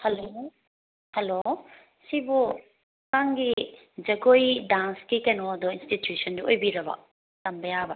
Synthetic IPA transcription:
hɛlo | hɛlo | sibɔ | kaŋɡi | d͡ʒɐɡojdanskikɛnɔd̪ɔinstitjusɔndiojbiɾɐba̰ | tɐmbɐjaba

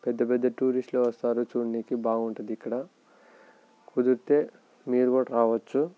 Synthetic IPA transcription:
pɛd̪ːɐpɛd̪ːɐʈuːɾisʈloːʋɐst̪aːɾut͡ʃuːɳniːkibaːɡuɳʈund̪ikːɐɽɐ | kud̪uɾt̪e̞ː | miːɾuɡoːʈɾaːʋɐt͡ʃːu

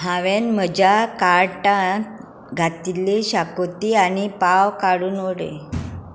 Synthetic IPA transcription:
ɦaʋenməd͡ʑakaɾʈã | ɡʱat̪ileɕakot̪ianipaʋkaɽuːnoɽḛ

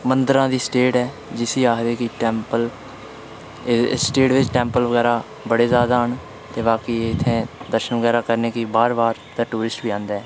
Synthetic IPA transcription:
mənd̪əɾãːd̪iːsʈeːʈɛː | d͡ʒɪsiːaːkd̪eːkɪʈɛ̃ːmpəl | sʈeːʈʋɪt͡ʃʈɛ̃ːmpəlʋəɡɛːɾaː | bəɽeːzjaːd̪aːɦəɳ | t̪eːbaːkiːeɪt̪ʰːẽːd̪əɾʃənʋəɡɛːɾaːkəɾneːkiːbaːɾbaːɾ | d̪aːʈuːɾɪsʈbiːãːnd̪aːɛː

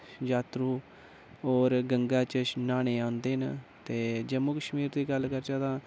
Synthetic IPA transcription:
d͡ʒaːt̪ɾuː | oːɾɡəŋɡaːt͡ʃənaːɽ̃eːãːnd̪eːnt̪eːd͡ʒəmuːkəʃmiːɾd̪iːɡəlkəɾt͡ʃaːt̪ãː

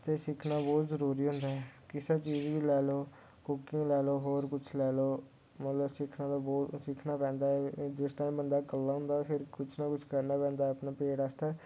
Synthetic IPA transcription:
t̪eːsɪkʰnaːbɔːt̪zəɾuːɾiːɦʊ̃nd̪aːɦɛːkɪsaːt͡ʃiːzʋiːlɛːloː | kʊkɪ̃ŋɡlɛːloːɦoːɾkʊt͡ʃʰlɛːloː | mət̪ləbsɪkʰnãːt̪abɔːt̪sɪkʰnaːpɛ̃ːnd̪aːɛːd͡ʒɪsʈaːĩːbənd̪aːkəlːaːɦʊ̃ːnd̪aːfʰɪɾkʊt͡ʃʰnãːkʊt͡ʃʰkəɾnaːpɛ̃ːnd̪aːəpnaːpeːɽaːst̪aː

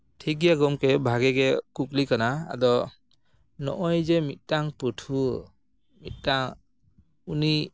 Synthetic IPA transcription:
tʰiɡijaɡɔmkebʱaɡeɡekuk̬likanaa̰d̪ɔ | nɔ̰ʔɔjzemit̚ˀtaŋpɯtʰu | mit̪̚daŋ | uni

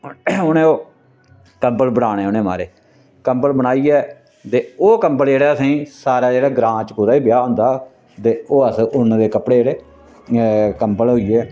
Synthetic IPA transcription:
ʊnẽːoː | kəmpəlbəɽaːɽ̃ẽːoːnẽːma̰ːɾeː | kəmpəlbəɽaːiːɛː | t̪eːoːkəmpəld͡ʒeːɽeːəsẽiːsaːɾaːd͡ʒeːɽaːɡɾãːt͡ʃkʊːɾaːiːbɪjaːɦʊ̃nd̪aː | t̪eːoːəsʊnd̪eːkəpɽeːd͡ʒeːɽeː | kəmpəlɦoːiːɛː

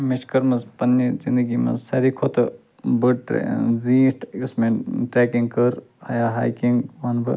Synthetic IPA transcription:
mɪʃkəɾmɐzpɐnːizind̪əɡiːmɐ̰zsɐɾikʰot̪ʰ | bəɖʈzĩːʈʊsmẽʈɾeːkiŋɡkəɾ | a̰jaɦaːjkĩŋɡʋɐnbɨ̰

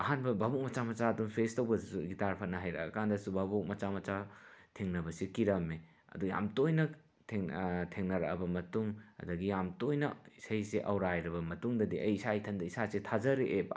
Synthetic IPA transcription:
ɐɦanbɐbabuk̚mɐt͡ʃamɐt͡ʃaɐdumpʰestɐwbɐsuɡitaɾpʰanɐɦajɾɐ̰kandɐsubabuk̚mɐt͡ʃamɐt͡ʃatʰeŋnɐbɐsikiɾɐme | ɐ̰duja̰mtojnɐ | tʰeŋtʰeŋnɐɾɐkɐbɐmɐtuŋɐ̰dɐɡijamtojnɐisajseʔɐwɾajɾɐbɐmɐtuŋdɐdiʔɐjisajtʰɐndɐisasetʰazɐɾeʔeb

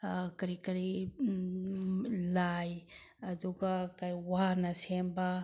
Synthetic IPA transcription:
kɐɾikɐɾi | laj | ɐduɡɐkajwaɾnɐsembɐ

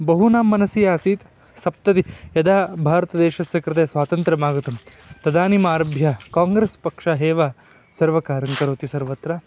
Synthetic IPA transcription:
bɐɦunaːmːɐnɐsijaːsiːt̪ | sɐp̚t̪ɐd̪ijɐd̪aːbʱaːɾɐt̪ɐd̪ɛːʃɐsjɐkɾɪt̪eːsʋaːt̪ɐnt̪ɾɐmaːɡɐt̪ɐm | t̪ɐd̪aːnimaːɾɐbʱjɐkaːŋɡɾeːspɐkʂɐɦɛːʋa | sɐɾʋɐkaːɾɐŋkɐɾoːt̪isɐɾʋɐt̪ɾɐ

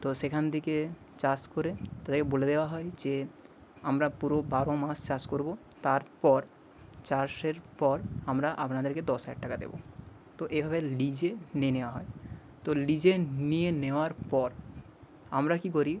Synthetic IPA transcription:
t̪oʃekʰant̪ʰeke | t͡ɕaskoɾet̪ad̪eɾkeboled̪eoaɦɔed͡ʑe | amɾapuɾobaɾomast͡ɕaskoɾbo | t̪aɾpɔɾ | t͡ɕaɾʃeɾpɔɾamɾaʔapnad̪eɾked̪ɔsaaʈʈakad̪ḛbo̰ | t̪oʔebʱabelid͡ʑenieneoaɦɔe | t̪olid͡ʑenijeneoaɾpɔɾ | amɾakikoɾi

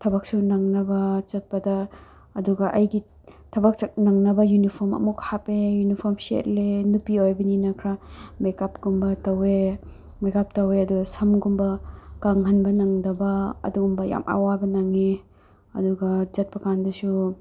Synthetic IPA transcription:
tʰɐbɐk̚sunaŋnɐbɐt͡ʃɐt̚pɐdɐ | ɐduɡɐʔɐjɡi | tʰɐbɐk̚t͡ʃɐk̚naŋnɐbɐjunipʰoɾmɐ̰mukhapejunipʰoɾmsḛt̚lenupiojbɐninɐkʰɾamekap̚ɡumbɐtɐwe | mekap̚tɐweɐduɡɐsɐmɡumbɐkaŋɦɐnbɐnɐŋdɐbɐ̰ːduɡumbɐja̰mʔa̰wabɐnaŋe | ɐduɡɐd͡ʒɐt̚pɐkandɐsu

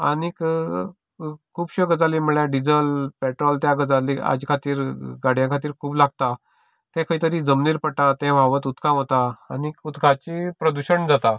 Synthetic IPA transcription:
a̰nik | kʰuːbɕəɡəd͡zaliːməɭjaɖid͡zəlpɛʈɾɔlt̪jaɡəd͡zalia̰d͡ʑikʰat̪iːɾɡaɽ̤jãkʰat̪iːɾkʰuːplaɡ̚t̪a | t̪ɛ̃kʰəit̪əɾiːd͡zəmniːɾpəʈat̪ɛ̃ʋʱaʋət̪ut̪kʰãɦot̪aːniut̪kʰat͡ɕipɾəd̪uɕəɳd͡zat̪a

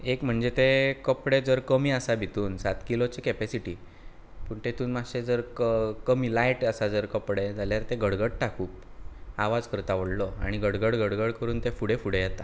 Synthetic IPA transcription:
ekm̤əɳd͡zet̪ekəpɽed͡zəɾkəmiːəsabʱit̪uːnsat̪kilot͡ɕekɛpesiʈiː | puːɳt̪et̪uːnmaɕed͡zəɾkəmiːlajʈəsad͡zəɾkəpɽed͡zʱaljaɾt̪eɡəɽɡəɽʈakuːpaʋad͡zkəɾt̪aʋəɽlɔa̰ɽ̃iɡəɽɡəɽɡəɽɡəɽkəɾuːnt̪efuɽefuɽejɛt̪a

